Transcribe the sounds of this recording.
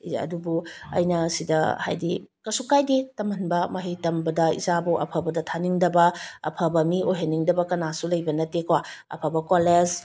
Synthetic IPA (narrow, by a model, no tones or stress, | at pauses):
ɐ̰dubuɐ̰jnɐsidɐha̰jdikɐsukajditɐmɐnbɐmɐɦejtɐmbɐdɐḭzabuʔɐ̰pʰɐbɐdɐtʰaniŋdɐbɐɐ̰pʰɐbɐmiojɦeniŋdɐbɐkɐnasulɐjbɐnɐtekɐwaɐ̰pʰɐbɐkolez